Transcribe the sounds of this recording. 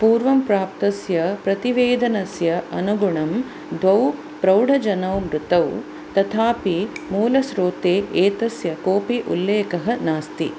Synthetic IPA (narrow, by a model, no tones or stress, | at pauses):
puːɾʋɐmpɾaːp̚t̪ɐsjɐpɾɐt̪iʋeːd̪ʱɐnɐsjɐɐnuɡuɳɐm | d̪ʋɐw | pɾɐwɖɐd͡ʒɐnɐwmɾut̪ɐw | t̪ɐt̪ʰaːpimuːlɐsɾoːt̪eːeːt̪ɐsjɐkoːpiʔṵlːeːkɐɦɐnaːst̪ḭ